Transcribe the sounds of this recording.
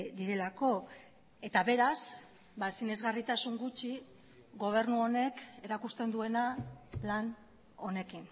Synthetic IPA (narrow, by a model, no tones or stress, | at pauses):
d̪iɾe̞lako̞ | e̞t̪aβe̞ɾas | basine̞zɣarit̪asuŋɡut͡ʃi | ɡo̞β̞e̞ɾnuo̞ne̞ke̞ɾakust̪e̞nd̪ue̞nalan | o̞ne̞kin